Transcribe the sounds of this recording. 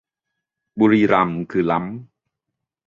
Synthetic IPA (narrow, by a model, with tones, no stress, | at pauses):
buː˧ɾiː˧ɾa˧˩mkʰɯː˧˩la˦˥m